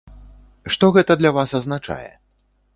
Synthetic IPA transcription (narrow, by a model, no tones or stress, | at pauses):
ʂt̪ɔɣɛt̪ɐd̪lʲavasɐznat͡ʂa̰jɛ̰